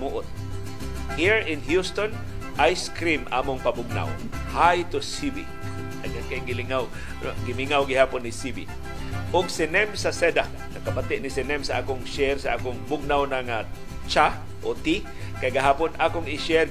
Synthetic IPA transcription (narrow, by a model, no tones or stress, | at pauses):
muʔʊt̪̚ | hiɹɪnhjust̪on | ʔajskɾimʔaːmʊŋpabʊɡ̚na̰w | hajt̪ʊsibḭ | aɡakaɡɪlɪŋaw | ɡɪmiŋawɡɪhaːpʊnːɪsibḭ | ʔʊɡsɪnɛmsasɛd̪a | nɐkamat̪ɪʔnɪsɪnɛmsaʔa̰ːkʊŋʃɛɾsaʔaːkʊŋbʊɡ̚nawnaŋa | t͡ʃa | ʔot̪i | kajɡaɦaːpʊnʔaːkʊŋɪʃɛɾ